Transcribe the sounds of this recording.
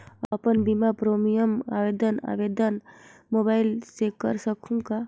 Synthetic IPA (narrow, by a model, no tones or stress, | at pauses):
əpənbimapɾomijəma̰ʋed̪əna̰ʋed̪ənmobaɪlsekəɾsəkʰũka